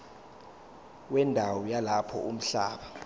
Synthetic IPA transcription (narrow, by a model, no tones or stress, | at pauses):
wɛndʱawɔjalapʰɔ̰um̩ɬaːɓa